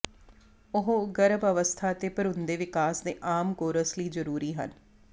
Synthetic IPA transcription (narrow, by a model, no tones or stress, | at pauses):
ʊɦɡəɾəbəʋəst̪ʰaːt̪eːpəɾʊnd̪eːʋɪkaːsd̪eːʔaːmkoːɾəsliːzəɾuːɾiːɦə̰n